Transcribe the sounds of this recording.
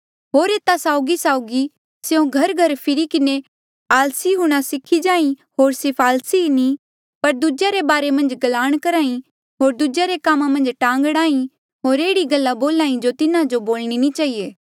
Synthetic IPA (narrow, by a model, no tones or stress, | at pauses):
ɦoːɾeːt̪asaːʊɡisaːʊɡi | seõɡʱɐɾɡʱɐɾpʰɪɾikɪne | aːlsiɦʊɽ̃asɪkʰːid͡ʒaːĩɦoːɾsɪpʰaːlsini | pɐɾd̪ud͡ʒaɾebaːɾemɐ̃nd͡ʒɡɐlaːɽ̃kɐɾaːĩ | ɦoːɾd̪ud͡ʒaɾekaːmamɐ̃nd͡ʒʈãːŋɡɽaːĩ | ɦoːɾeːɽiɡɐlːaboːlaːĩd͡ʒot̪ɪnad͡ʒoboːlɽ̃init͡ʃaːieː